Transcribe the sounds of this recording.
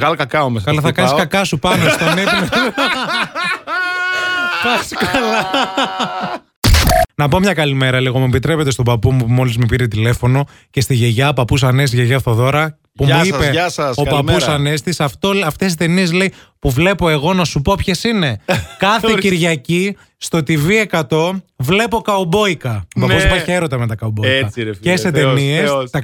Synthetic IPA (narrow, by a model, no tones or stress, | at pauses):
ɣɐlkɐkɐomeskɐlɐθɐkɐniskɐkɐsupɐnest̪onime | pɐskɐlɐ | nɐpo̞mɲɐkɐlime̞ɾɐliɣomuepit̪ɾe̞pe̞t̪est̪opɐpumumo̞lizmipiɾit̪̬ile̞fo̞no̞ | ce̞st̪iʝeʝɐopɐpus̬ɐnes̬ʝeʝɐθt̪oðo̞ɾɐ | pumuipeɐsɐsopɐusɐnest̪isɐft̪oɐft̪esit̪e̞niezleipuvle̞po̞e̞ɣo̞nɐsupopçe̞sine̞kɐθeciɾʝɐci | st̪o̞t̪ivie̞kɐt̪o̞vle̞po̞kɐobo̞ikɐopɐozmeçeɾot̪ɐmet̪ɐkɐoboiɐceset̪eniesɐ